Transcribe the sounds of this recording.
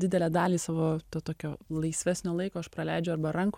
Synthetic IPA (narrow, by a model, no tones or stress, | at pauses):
dʲɪd̪ʲɛlʲæːd̪ɑːlʲiːsɑːʋoːt̪ɐːt̪oːkʲoːlˠɐɪsʲʋʲæːsʲnʲoːlˠɐɪkoːɐʃpɾɐlʲæɪd͡ʒʲɛʊɐɾbɐɾɐŋk